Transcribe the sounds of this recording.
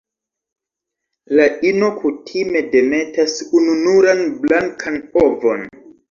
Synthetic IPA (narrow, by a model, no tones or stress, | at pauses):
laʔino̞kʰutʰime̞de̞me̞tasununuɾanblaŋkʰanovo̞n